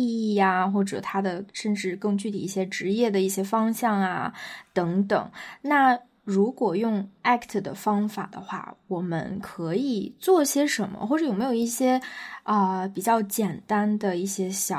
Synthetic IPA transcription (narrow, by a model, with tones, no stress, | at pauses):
i˥˧i˥˩a˩xwɔ˥˩ʈ͡ʂɤ̰˨˩t̪ʰa˥d̪ə˨ʂə˥˧nʈ͡ʂɻ̩˥˧kɤ˥˧ŋt͡ɕy˥˩t̪ʰi˨˩i˥˩ɕjɛ˥ʈ͡ʂɻ̩˧˥jɛ˥˩d̪ə˩i˥˩ɕjɛ˥fɑ˥ŋɕjɑ˥˩ŋa̰˩t̪ɤ˧˥ŋt̪ɤ˨˩˦ŋna˥˩ | ɻu˧˥kwɔ˨˩jʊ˥˧ŋa˥kʰt̪ʰə˩d̪ə̰˩fɑ˥ŋfa˨˩d̪ə̰˦xwa̰˥˩wɔ˨˩mə̰˧˥nkʰɤ˧˥i˨˩t͡swɔ˥˩˥ɕjɛ˥ʂə˧˥nmə̰˧xwɔ˥˩ʈ͡ʂɤ˧˩jm˧˥jo˨˩i˥˩ɕjɛ˥ə˧pi˨˩t͡ɕjɑ˥˩ʊt͡ɕjɛ˨˩nt̪a˥nd̪ə˨i˥˩ɕjɛ˥ɕjɑ˨˩